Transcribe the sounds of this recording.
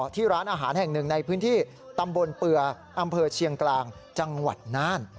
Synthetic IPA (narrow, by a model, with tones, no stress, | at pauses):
t̪ʰiː˥˩ɾaː˦˥nʔaː˧ɦaː˩˦nhɛ˨˩ŋnɯ˨˩ŋna˧jpʰɯː˦˥nt̪ʰiː˥˩ | t̪a˧mbo˧npɯ˧ɐ | ʔa˧mpʰɤː˧t͡ɕʰi˧əŋklaː˧ŋt͡ɕa˧ŋwa˨˩t̪̚naː˥˩n